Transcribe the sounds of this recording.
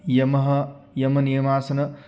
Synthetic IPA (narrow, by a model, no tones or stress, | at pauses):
jɐmɐɦɐjɐmɐnijmaːsɐnɐ